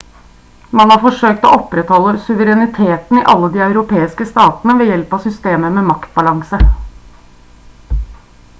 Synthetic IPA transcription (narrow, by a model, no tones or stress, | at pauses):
mɑnhɑːɾfɔʂøːk̚t̪ɔɔpɾɛt̪hɔlːəsʉʋəɾɛnɪt̪ʰeːt̪n̩ɪʔɑlːəd̪iːœʉɾʊpʰeːɪskəst̪ɑːt̪ənəʋɛjɛlpɑsʏst̪eːməmɛmɑkt̪̚bɑlɑŋsə